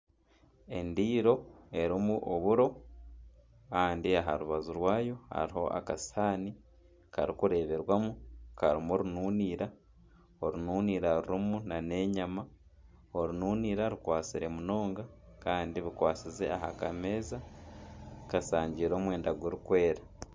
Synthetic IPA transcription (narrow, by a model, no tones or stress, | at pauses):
e̞ndiːɾo̞e̞ɾimuʔoβuɾo̞ | kaːndiaɦaɾuβazuɾwaːjo̞ha̰ɾiho̞ʔa̰kasaːni | kaɾikuɾe̞ːβe̞ɾwamukaɾimoɾunuːniːɾa | oɾunuːniːɾaɾuɾimunane̞ɲama | o̞ɾnuːniːɾaɾukwaːt͡siɾe̞muno̞ːŋɡakaːndiβikwaːt͡size̞̰aɦa̰kame̞za | kasaːɲɟiɾo̞ːmwe̞ːndaɡweɾukwe̞ːɾa